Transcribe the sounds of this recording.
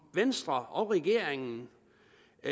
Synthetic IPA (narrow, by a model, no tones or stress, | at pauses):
ʋensd̥ʁɐɒʊʁɛɡ̥e̝ɐ̰eŋn̩